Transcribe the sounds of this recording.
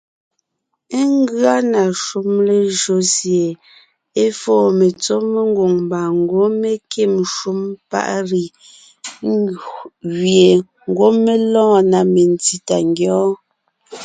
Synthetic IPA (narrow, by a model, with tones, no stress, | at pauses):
e˦ŋ˦ɡɰa˦na˨ʃu˦mle˦˨ʒo˨˦sje˨ | e˦fɔː˦˨me˨t͡so˦me˦ŋ˦ɡwo˨ŋmba˨ŋ˨˦ɡwo˦me˦ke˦˨mʃu˦mpa̰˦˨ʔɾi˨ | ŋɡu˨ɣje˨ | ŋ˦ɡwo˦me˦lɔ̃ː˦˨na˨me˨n˨ti˨ta˨ŋɡjɔː˦